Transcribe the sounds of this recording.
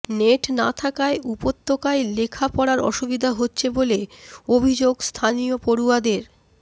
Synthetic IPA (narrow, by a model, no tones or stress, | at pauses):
neʈnat̪ʰakaeʔupot̪ʰːokaelekʰapɔɽaɾɔ̰ʃubid̪ʱaɦotːɕʰeboleobʱid͡ʑoɡst̪ʰanijopoɾuad̪eɾ